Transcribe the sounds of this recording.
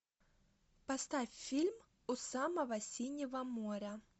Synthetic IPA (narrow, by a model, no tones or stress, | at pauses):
pɐst̪afʲfʲilʲm | ʊsaməvəsʲinʲɪvəmoɾʲə